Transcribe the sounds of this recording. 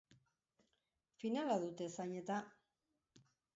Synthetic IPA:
finalaðut̪e̞saɲe̞t̪a

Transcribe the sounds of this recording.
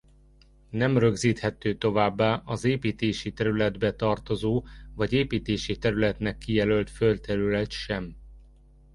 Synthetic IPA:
nɛmrø̞ɡziːt̪hɛt̪øːt̪o̞vaːbːaːʔɒzeːpiːt̪eːʃit̪ɛɾylɛd̪bɛt̪ɒrt̪o̞zoːvɒɟeːpiːt̪eːʃit̪ɛɾylɛt̪nɛkːijɛlølt̪følt̪ɛɾylɛt̪ʃɛm

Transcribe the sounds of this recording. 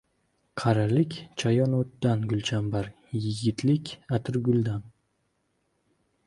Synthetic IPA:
qʰɑɾalɪkʲt͡ʃʰajɒnot̪ːanɡʊlt͡ʃʰambaɾ | jɪɡʲɪt̪lɪkʲat̪ʰɪɾɡʊlˠd̪an

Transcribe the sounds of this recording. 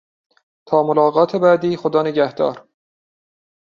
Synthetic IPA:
t̪ʰɒːmolɒːɣɒːt̪ʰebæd̪iːxod̪ɒːneɟæhd̪ɒ̰ːɾ

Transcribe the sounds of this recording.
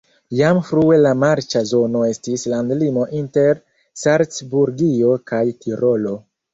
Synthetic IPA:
jamfɾue̞lamaɾt͡ʃazo̞no̞e̞stislandlimo̞ʔinte̞ɾ | saɾt͡sbuɾɡio̞kajtʰiɾʔo̞lo̞

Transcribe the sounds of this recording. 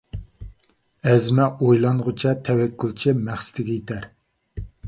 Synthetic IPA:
ɛzmɛojlˠɑŋʁʊt͡ʃʰɛt̪ʰɛwɛkʲːulˠt͡ʃʰimæχsɪ̥t̪ʰɪɡʲɛjit̪ʰæɾ

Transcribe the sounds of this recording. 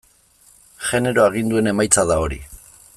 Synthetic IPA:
ʝe̞ne̞ɾo̞aɣ̞ind̪ue̞ne̞majt͡saðao̞ɾḭ

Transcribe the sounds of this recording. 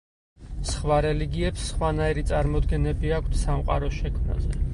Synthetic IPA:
sχwaɾɛliɡiɛpsːχwanaiɾit̪sʼaɾmɔd̪ɡɛnɛbiakʷʰt̪ʰsamqʼa̰ɾɔʃɛkʰmna̰zɛ

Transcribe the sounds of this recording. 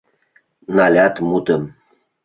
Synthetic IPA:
nalʲat̪mut̪əm

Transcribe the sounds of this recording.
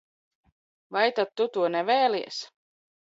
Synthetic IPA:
vɑjt̪at̪ːut̪uɔnɛvɛːliḛs

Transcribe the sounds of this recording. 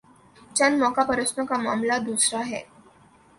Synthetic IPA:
t͡ɕanmɔkapəɾəsnəkama̰mlad̪usɾaɦɛ̰

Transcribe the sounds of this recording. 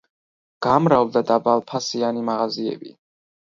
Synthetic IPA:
ɡ̥amɾavd̪ad̪abalˠpʰasianimaʁaziɛ̰bḭ

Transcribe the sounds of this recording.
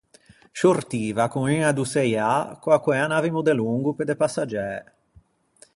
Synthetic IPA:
ʃort̪iːvakuŋiŋad̪usɛjakwakːwɛanavimud̪eluŋɡuped̪epasːad͡ʒɛː

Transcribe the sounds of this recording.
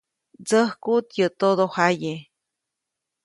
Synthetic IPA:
d͡zəhkut̪jət̪od̪ohaje

